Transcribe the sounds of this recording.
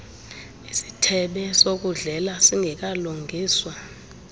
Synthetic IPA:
isi̥tʰɛɓɛsok̬uɮɛlasiŋʱɛk̬aluŋɡʱiːswa

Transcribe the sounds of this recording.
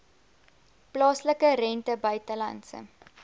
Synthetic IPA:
plɑːsləkəɾɛntəbœɥtəlɐ̰nsə̰

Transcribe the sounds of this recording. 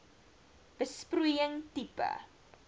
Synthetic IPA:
b̥əsprujəŋtipə̰

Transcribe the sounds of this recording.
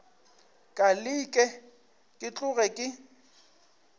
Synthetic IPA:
kʼalɪkʼɛ | kʼɪt͡ɬʼʊɣɛkʼɪ

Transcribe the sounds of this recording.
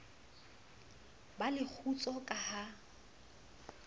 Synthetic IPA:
balɪk͡xʰut͡sʼɔkʼaha

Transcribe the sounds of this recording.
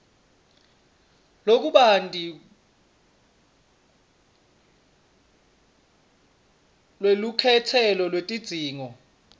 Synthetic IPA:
lok̬uɓandʼʱi | lwelukʰɛtʰɛlɔlwetʼid̥z̥ʱiːŋɔ

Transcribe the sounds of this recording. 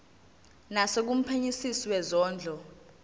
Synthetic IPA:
nasek̬um̩pʰeɲisisiwɛzɔːnd͡ɮʱɔ

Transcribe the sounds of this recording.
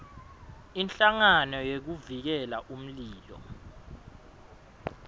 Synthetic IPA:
inɬʼaŋanɔjek̬uvik̬ɛlaʔum̩liːlɔ̰

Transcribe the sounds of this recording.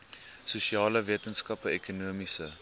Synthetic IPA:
susiɑːləviətənskɐpəɛkunuəmisə

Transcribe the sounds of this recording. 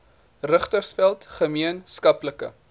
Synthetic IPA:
rəχtərsfælˠtχəmiənskɐpləkə̰

